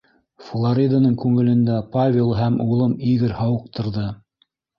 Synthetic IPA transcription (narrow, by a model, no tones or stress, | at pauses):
flˠaɾʲid̪anɤɴkʉŋɘ̆lɘ̆nd̪æpavʲelˠɦæmulˠɤmiɣɘɾhɑwɤ̆q̚t̪ɤ̆ɾðɤ